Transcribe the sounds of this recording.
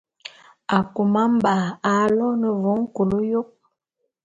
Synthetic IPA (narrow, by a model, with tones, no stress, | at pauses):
a˨ku˨ma˦m˦ba˨a˨˦lɔ˦nə˨vo˨˦ŋ̩˦ko˨lo˦jo˦k̚